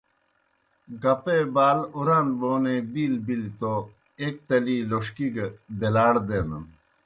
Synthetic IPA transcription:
ɡɐpebaːluɾãːnd̪boːnebiːlbilt̪o | eːk̚t̪ɐliːloʂkiɡd̪elaːɽd̪eːnɐn

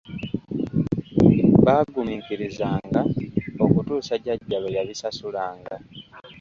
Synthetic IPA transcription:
βaːɡumiːkiɾizaːŋɡao̞kutuːsaɟaɟːaβejaβisasulaːŋɡa

